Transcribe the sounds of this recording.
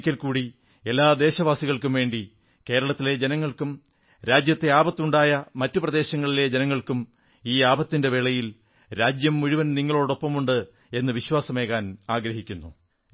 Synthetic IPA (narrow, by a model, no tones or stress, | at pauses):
kʲːɐlkuːɽi | e̞lːaːd̪e̞ːɕɐʋaːsiɣɐɭkumʋe̞ːɳɖi | ke̞ːɾɐɭɐt̪ːile̞d͡ʑenɐŋːɐɭkum | ɾaːd͡ʑjɐt̪ːe̞aːbɐt̪ːuɳɖaːjɐmɐtːuprɐd̪e̞ːɕɐŋːɐɭile̞d͡ʑenɐŋːɐɭkum | iːaːbɐt̪ːinde̞ʋeɭɐjil | ɾaːd͡ʑjɐmːuɻuʋɐnniŋːɐɭo̞ːɽo̞pːɐmuɳɖɨ | e̞nːɨʋiɕwaːsɐmeːɣaːnaːɡɾɐɦikʲːunːu